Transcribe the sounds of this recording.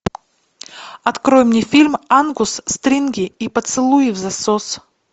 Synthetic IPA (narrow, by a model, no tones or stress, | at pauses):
ɐt̪kɾojmnʲɪfʲilʲmanɡʊsːt̪ɾʲinɡʲɪipət̪sɨlˠujɪvzɐsos